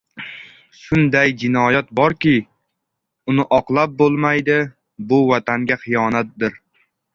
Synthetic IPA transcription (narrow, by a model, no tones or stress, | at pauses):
ʃʊnd̪ajd͡ʒɪnɒjat̪̚bɒɾkʲɪ | ʊnɪʔɒqlˠap̚bolˠmajd̪ɪ | bʊvat̪ʰaŋɡʲaχɨjɒnat̪̚d̪ɪɾ